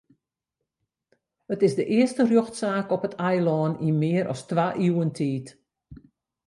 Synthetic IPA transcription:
ətɪzdəʔɪəstərjoxtsaːkɔpətʰajlɔːnimɪːəɾʔɔ̰stʋaʔiwəntʰiːt

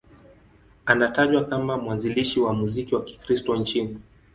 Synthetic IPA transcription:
anataʄwakamamwanziliʃiwamuzikiwaki̥kɾistɔnt͡ʃini

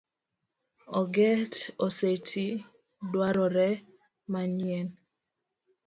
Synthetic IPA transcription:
ɔɡɛtosetʰi | dwaɾɔɾɛ | maɲiɛn

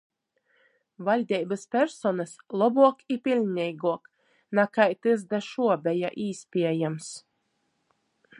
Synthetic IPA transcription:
valʲd̪ʲɛjbɨspʲɛɾsɔnaslˠɔbuɔkipʲilʲːɛjɡuɔk | nakajt̪ɨzd̪aʃuɔbʲɛja̰ʔiːsʲpʲiɛjams

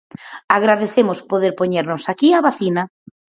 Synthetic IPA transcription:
aɣɾaðeθemʊspoðeɾpoɲeɾnʊsakiaβaθinɐ

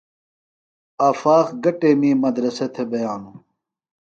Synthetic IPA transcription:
ɐːfaːxɡɐʈemĩːmɐd̪ɾɐset̪ʰebɐjaːnu

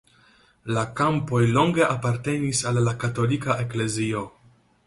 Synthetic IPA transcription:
lakampo̞jlo̞ŋɡe̞ʔapaɾte̞nisalːakato̞likaʔe̞kle̞zio̞

